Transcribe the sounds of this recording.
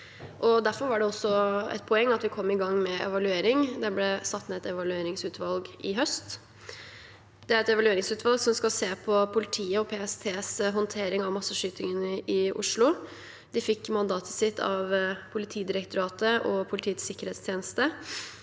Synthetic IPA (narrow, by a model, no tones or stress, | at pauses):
ʔɔd̪æɾfɔɾʋɑɖɛɔsːɔɛ̰t̪̚pʰɔɛŋːɑt̪ʋɪkʰɔmːɪɡɑŋːmɛɛ̰ʋɑlʉeːɾɪŋd̪ɛblɛsɑt̪ːnɛɛt̪ɛʋɑlʉeːɾɪŋsʉːt̪ʰʋɑlɡʔɪɦœst̪ | d̪̥ɛæɾɛt̪ɛʋɑlʉeːɾɪŋsʉːt̪ʋɑlɡsɔmskɑlseːpʰɔpʰʊlɪt̪ʰiːəɔpʰeːɛst̪ʰeːsɦɔnt̪ʰeːɾɪŋɑʋmɑsːəʂyːt̪ɪŋənəʔɪʔʊ̰ʂlʊ | d̪ɪfɪkːmɑnd̪ɑːt̪ʰə̥sɪt̪ʰːɑ̰ʋpʰʊlɪt̪ʰiːd̪ɪɾɛkt̪ʊɾɑːt̪əʔɔpʰʊlɪt̪ʰiːət̪sɪkːəɾheːt̪st̪ʰjeːnəst̪ə